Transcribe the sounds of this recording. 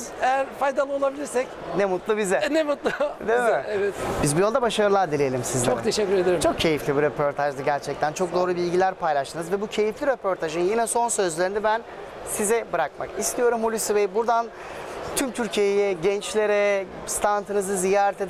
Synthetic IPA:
ejæɾfajd̪alˠɯo̞lˠabilʲiɾsɛc | nɛmut̪lˠubizɛnɛmut̪lˠʊd̪emɪɛvɛt̪bizbujolˠd̪abaʃaɾɯlˠaɾd̪ilʲejelʲimsizt͡ʃ̪okt̪ʰeʃɛcʲːyɾe̞d̪eɾit͡ʃʰo̞k̚cʰe̞jiflʲibiɾepʰo̞ɾt̪ʰaʒd̪aɟæɾt͡ʃʰɛc̚t̪ʰænt͡ʃʰo̞k̚d̪oːɾˠubilʲɟilʲæɾpʰajlˠaʃt̪ʰɯnɯzvɛbucʰe̞jiflʲiɾepʰo̞ɾt̪ʰaʒɯnjinɛso̞nsø̞zlʲeɾinɛbæn | sizɛbɯɾak̚ma̰kist̪ʰijo̞ɾumholʲysivejbuɾd̪an | t̪ʰymt̪ʰyɾcʰijejɛɟɛnt͡ʃlʲe̞ɾɛ | st̪ʰant̪ʰɯnɯzɯzijaːɾɛt̪ʰed̪

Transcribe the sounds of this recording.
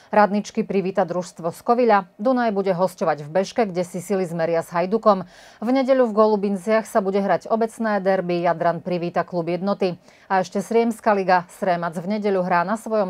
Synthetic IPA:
ɾad̪nit͡ʃkipɾiʋiːt̪ad̪ɾuʃst̪ʋɔskɔʋiʎad̪unajbuɟɛɦɔscɔʋaɟvbɛʃkɛɡɟɛsisilizmɛɾɪazɦajd̪ukɔm | vɲɛɟɛʎuvɡɔlˠubint͡sɪaxsabuɟɛɦɾaɟɔbɛt͡snɛːd̪ɛɾbijad̪ɾanpɾiʋiːt̪aklˠubjɛd̪nɔt̪i | aɛʃcɛsɾɪɛmskaliɡasɾɛmad͡zvɲɛɟɛʎuɦɾaːnasʋɔjɔm

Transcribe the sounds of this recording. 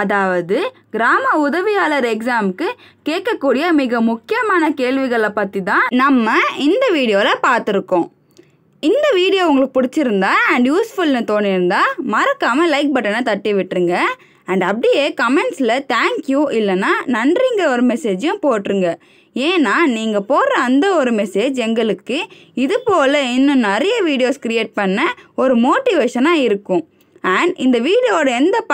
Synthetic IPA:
ɐðaːʋɐðɯ | ɡɪɾaːmɐʊðɐʋɪjaːlɐɾɛksaːmkːɯ | keːʈ̚kːɐkːuːɽɪjɐmɪɣɐmʊkːɪjɐmaːnɐkeːɭʋɪɣɐɭɐpɐt̪ːit̪ãːnɐmːɐɪnd̪ɐʋiːɽɪjoːlɐpaːɾt̪ɪɾɯkːõː | ɪnd̪ɐʋiːɽɪjoːʊŋɡɐɭɯkːɯ̥pʊɽɪt͡ʃːɪɾɯnd̪aːɐɳɖjuːsfʊlnɯt̪oːnːɪɾɯnd̪aːmɐɾɐkːaːmɐlɐɪk̚bɐʈːɐnɐt̪ɐʈːiʋɪʈːɾɯŋɡɐ | ɐɳɖɐpːɽɪjeːkɐmɛɳʈsɪlɐt̪aːŋkjuːʔɪlːɐnːaːnɐndrɪŋɡɐɔɾɯmɛseːd͡ʒjʊ̃poːʈːɾɯŋɡɐ | eːnːaːniːŋɡɐpoːɾɐɐnd̪ɐɔɾɯmɛseːd͡ʒɛŋɡɐɭɯkːɯ | ɪðɯpoːlɐɪnːɯ̃nɛɾɐjɐʋiːɽɪjoːskɾɪjeːʈ̚pɐɳːɐɔɾɯmoːʈːɪʋeːʂɐnaːɪɾɯkːʊ̃ | æɳɖɪnd̪ɐʋiːɽɪjoːɽɐɛnd̪ɐp

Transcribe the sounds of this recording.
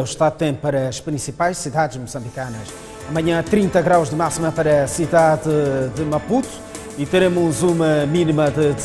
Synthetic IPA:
wʃt̪aðut̪ẽpɐɾɐːʃpɾĩsipajʃsiðaðʒmusɐ̃mbikɐnɐʃ | amɐɲɐ̃t̪ɾĩnt̪ɐɣɾawʒðɨmasimɐpɐɾɐsiðaðɨðɨmɐput̪u̥ | it̪ɨɾemuzumɐminimɐðɨd̪

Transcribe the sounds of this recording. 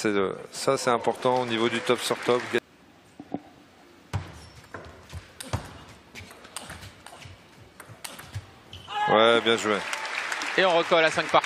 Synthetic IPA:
sɛə̰sasɛt̪ɛ̃pɔʁt̪ɑ̃onivod̪yt̪ɔpsɔʁt̪ɔpɡa | wɛbjɛ̃ʒue | eɔ̃ʁəkɔlasɛ̃k̚pa

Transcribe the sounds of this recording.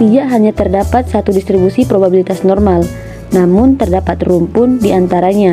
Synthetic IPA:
t̪idaʔɦaɲat̪ərdapat̪̚sat̪udist̪ɾibusipɾobabilit̪asnɔrmal | namʊnt̪ərdapat̪rumpʊndiʔant̪aɾaɲa

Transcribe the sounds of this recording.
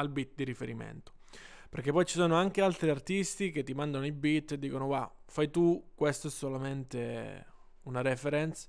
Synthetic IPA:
albit̪̚d̪iɾifeɾimḛnt̪o̥perk̟epːɔjt͡ʃi̥soːnoaŋkealt̪ɾiart̪ist̪ik̟et̪ːimand̪anoibit̪ːed̪ːiːkonoɡwafajt̪ukːwest̪oɛsːolament̪e | unaɾɛfeɾɛnt̪s

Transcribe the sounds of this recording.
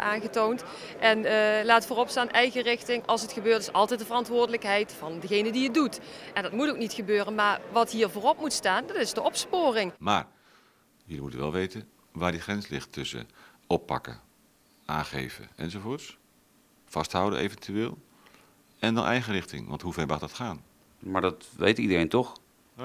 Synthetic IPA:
ʔaːnɣətownt | ʔɛnlaːtfoːrɔpstaːnʔɛjɣərɪxtɪŋʔɑlˠsətxəbøːɹrtɪsɑ̰lˠtɛjt̚dəvərɑntʋʊːɹdələkɦɛjtfɑndəɣejnədiət̚dutʔɛndɑtmutowknitxəbøːrənmaːɹʋɑtɦiːɹvoːrɔp̚mutstaːndɑtɪsdəʔɔpspoːrɪŋma̰ːɹ | jəlimutəʋɛlˠʋejtə | ʋaːɹdiχrɛnslɪχtʰːɵsə̰ | ɔpːɑ̰kə̰ | ʔaːnχḛjvə̰ɛ̰nzovoːts | fɑstɦʌwdə̰ʔejvɛntyʋɪːlˠ | ɛndɑ̰nʔɛjχərɪχtɪ̰ŋʋɑ̰ntɦuvɛɹmɑχdɑtχaːn | maːɹdɑtʋḛjtidərejntɔχ

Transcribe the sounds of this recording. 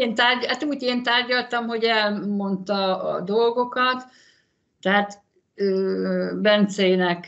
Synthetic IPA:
eːnt̪aːrɟhat̪uːɟeːnt̪aːrɟɒlt̪ɒmho̞ɟɛlmo̞nt̪ɒɒ̰d̪o̞lɡo̞kɒt̪ː | ɛɦat̪ | øːbɛnt̪seːjnɛk

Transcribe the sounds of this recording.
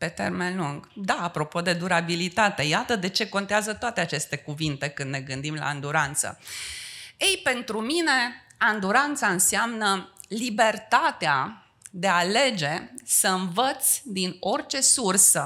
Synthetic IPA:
pe̞t̪e̞̰rmenluŋɡd̪aːpɾo̞po̞d̪e̞d̪uɾabilit̪at̪e̞jat̪əd̪e̞t͡ʃe̞ko̞nt̪eazət̪oat̪e̞at͡ʃe̞st̪e̞kuvint̪e̞kɨnd̪ne̞ɡɨnd̪imla̰ɨnd̪uɾant̪sə̰ | ejpe̞nt̪ɾumine̞ | and̪uɾant̪saɨnseamnəlibe̞rt̪at̪ea | d̪e̞ale̞d͡ʒe̞səɨnvət̪sʲd̪ino̞rt͡ʃe̞sursə

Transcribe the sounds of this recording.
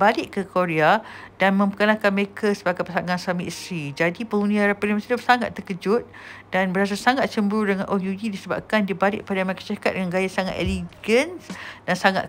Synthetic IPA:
balɪʔkːəkoɾead̥anmə̃mpəkənakanməɾekʰasəbaɡajpəsaŋãnsamiʔsɾid͡ʒadipəŋundiaɾapəliməsidəmsaŋa̰t̪ːərkəd͡ʒʊt̪̚danbəɾas̬asaŋat̪̚t͡ʃəmbəɾudəŋanʔojuidisəba̰b̚kandibalɪ̰ʔ̚padaməɾekḁt͡ʃakat̪̚dəŋanɡajasaŋat̪ḛliɡənsdansaŋa̰t̪̚

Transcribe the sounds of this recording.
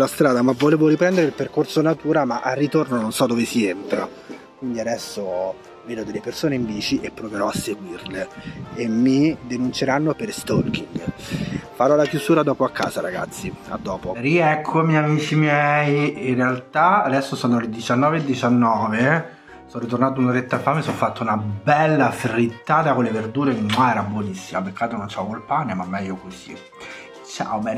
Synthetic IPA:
last̪ɾaːd̪amavoleːvoɾipɾɛnd̪eɾeilperkorsonat̪uːɾamaʔarːit̪ornononsɔd̪ovesient̪ɾa̰ | kwind̪iad̪ɛsːo | veːd̪od̪elːepersoːneiɱviːt͡ʃiʔepːɾoveɾɔasːeɡwirleemːid̪enunt͡ʃeɾanːopeɾst̪ɔrk̟iŋɡ | faɾɔlakjuzuːɾad̪ɔːpoakʰːa̰ːzaɾaɡa̰t̪sːia̰d̪ːɔːpoɾiɛkʰːomɛjamiːt͡ʃimjɛjinrːealt̪aːd̪ɛsːosanːoled̪it͡ʃanːɔːveed̪ːit͡ʃanːɔːve | sɔnrit̪ornaːt̪̬unaɾet̪ːafaːmesːɔfːat̪ːaunabɛlːafrit̪ːaːt̪akolːeverd̪uːɾemimaɛːɾabwonisːimapekːat̪ːonont͡ʃɛvkolpanːamamːɛjːokosḭ | t͡ʃa̰obɛːn

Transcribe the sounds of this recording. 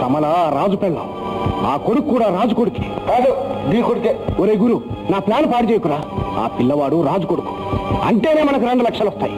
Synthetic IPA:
t̪ɐmɐlaɾaːd͡ʒupɛlːɐ̰ | aːkoɽukkːuːɽaːɾaːd͡ʒukoɽuke̥t̪aːɡud̪iːkoɽukeoɾeːɡuɾunaːplaːnpaːɽit͡ʃeːjkuɾaːa̰ːpilːɐʋaːɽuɾaːd͡ʒukoɽuku̥ɐ̰ɳʈeːneːmɐnɐkuɾeɳɖulɐkʂɐlɔst̪aːji

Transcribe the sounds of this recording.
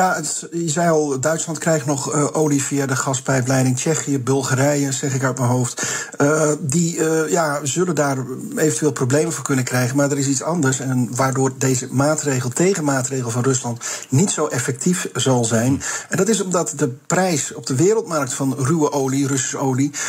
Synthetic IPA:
jaət | jəzɛjɑlˠdœɥtslɑntkrɛjχtnɔχəʔowlivijadəχɑspɛjblɛjdɪŋt͡ʃɛχijəbɵlˠχaɾɛjəzɛχɪkœɥtmənɦowft | dijaːzɵləndaːɹ | ejvəntyʋeːlˠprowblejmənvɔnkɵnəkrɛjχənmaːɹdəɾɪs̬itsɑndəɹsɛnʋaːɹdʊːɹdejzəmaːtrejχəlˠtejχənmaːtrejχəlˠvɑnrɵslɑntnitsowʔɛfɛk̚tifzɑlˠzɛjnɛndɑtɪs̬ɔmdɑtdəprɛjsɔb̚dəʋɪːɾəlˠtmɑrk̚tfɑnrywəʔowlirɵsi̥sowli

